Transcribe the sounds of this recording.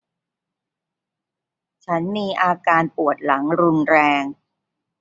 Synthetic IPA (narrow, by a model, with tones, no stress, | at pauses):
t͡ɕʰa˦˥nmiː˧ʔaː˧kaː˧npu˨˩ət̪̚la˩˦ŋɾu˧nɾɛː˧ŋ